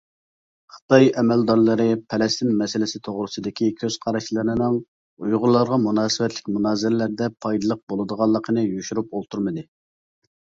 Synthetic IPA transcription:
χə̥t̪ɑjɛmɛld̪ɑɾlˠɨɾɨpʰɛlɛst̪ɪnmɛsɪlɪsɪt̪ʰoʁɾɨsɨd̪ɪkʲʰikʲʰøz̥qʰɑɾɑʃlˠɨɾɨnɨŋ | ujʁʊlˠːɑɾʁɑmunɑːsɨwɛt̪lɪkʲmunɑːzɪɾɪlæɾd̪ɛpʰɑjd̪ɨlˠəq̚bolˠɨd̪əʁɑlˠːəqʰənɨjyʃuɾupolˠt̪ʰuɾmɨd̪ɨ

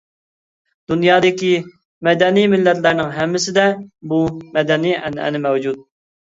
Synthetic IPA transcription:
d̪̥unjɑːd̪ɪkʲi | mɛd̪ɛnijmɪlːɛt̪læɾnɪŋɦɛmːɪsɪd̪ɛbumɛd̪ɛniɛ̰nɛ̰nɪmɛwd͡ʒut̪̚

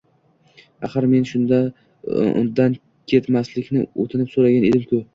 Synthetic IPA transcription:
ɑ̰χɨɾme̞nʃʊnd̪a | ʊ̰nd̪an | kʲʰe̞t̪maslɪkʲnɪot̪ʰɪnɪpsoɾaɡʲaned̪ɪmkʰʲʊ

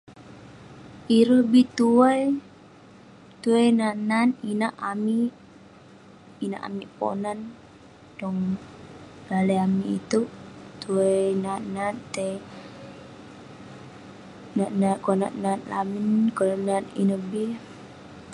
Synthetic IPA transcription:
ʔiɾəhbit̪uaj | t̪uəjnananinaʔamiʔ | ina̰ʔa̰miʔpo̰nan | dɔŋ | daləjamiʔḭt̪uʔt̪uajnanant̪e | nanakona̰ʔnanla̰minkɔlnanḭnəhbi

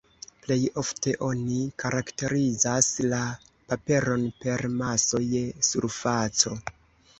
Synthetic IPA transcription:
ple̞jo̞fte̞ʔo̞nikaɾakte̞ɾizasla | pape̞ɾo̞npe̞ɾmaso̞jesuɾfat͡so̞

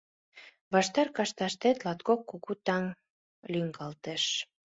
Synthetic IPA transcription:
βɑʃt̪ɑrkɑʃt̪ɑʃt̪et̪lɑt̪kokːuɣut̪ɑŋ | lyŋɡɑlt̪eʃ

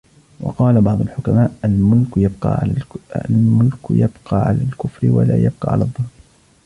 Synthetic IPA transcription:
wɑ̰qɑːlabɑʕd̪ˤʊlħʊkamaːʔalmʊlkjabqɑ̰ː | lmʊlkjabqɑːʕa̰laːlkʊfɾɪwa̰la̰ːjab̚qɑ̰ːʕa̰lad̪ˤːɑnː

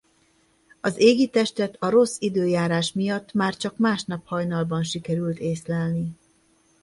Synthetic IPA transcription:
ɒzeːɡit̪ɛʃt̪ɛt̪ɒɾo̞sːid̪øːjaːɾaːʃmijɒt̪ːmaːrt͡ʃɒkmaːʃnɒphɒjnɒlbɒnʃikɛɾylt̪eːslɛlni

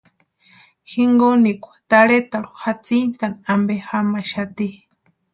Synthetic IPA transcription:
xiŋɡonikʷḁt̪aɺet̪aɺu̥xat͡sint̪anambexamaʃat̪i

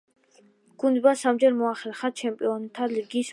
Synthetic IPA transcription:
ɡ̥und̪basamd͡ʒɛɾmɔaχɛɾχat͡ʃʰɛmpʼiɔnt̪ʰaliɡiːs

